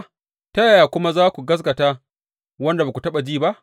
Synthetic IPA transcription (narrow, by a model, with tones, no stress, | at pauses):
ta˦ja˨jaː˨kʷʊ˦ma˦zaː˦kʷu˨ɡɐ˦s̬ɡɐ˨taː˦ | wɐ˦nda˨ba˨ku˨tɐ˦ɓa˨d͡ʒiː˦ba˦ʔ